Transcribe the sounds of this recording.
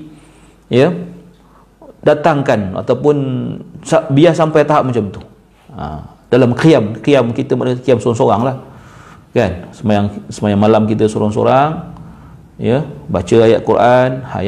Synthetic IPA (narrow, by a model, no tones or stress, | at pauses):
jə | dat̪aŋkana̰t̪awpʊnsabiahsampajt̪aɦap̚mat͡ʃamt̪u̥ | a̰m | d̥alamkiamkiamkit̪əmadkiamsoɾaŋsoɾaŋlah | kansəmajaŋsəmajaŋmalamkit̪əsoɾaŋso̰ɾaŋ | jəbat͡ʃəajat̪̚kuɾʔanha̰